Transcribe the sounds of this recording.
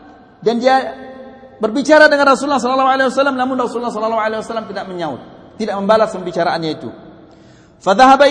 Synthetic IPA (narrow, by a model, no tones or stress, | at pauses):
dandia | bərbit͡ʃaɾadəŋanrasuulːahs̬ɔlɔlːɔhwalawasalːamnamʊnrasuulːahsɔlalːɔalawasalːamt̪idaʔ̚məɲaʊ̰t̪̚ːidaʔməmbalasməmbit͡ʃaɾaanɲait̪ṵ | faðaɦaba